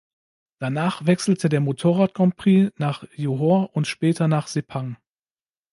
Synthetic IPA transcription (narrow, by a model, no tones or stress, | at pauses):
d̥anaːχvɛksl̩tʰədeːɐmotʰoːʁaːt̚kʰɔmpʁ̥iːnaːχjuɦoɐʔʊntʃpɛːtɐnaːχz̥epʰaŋ